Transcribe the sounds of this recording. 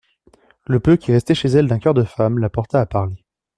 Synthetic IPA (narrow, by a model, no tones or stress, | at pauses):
ləpøkʲiʁɛst̪ɛʃezɛld̪ɛ̃kʲœʁd̪əfamlapɔʁt̪aːpaʁle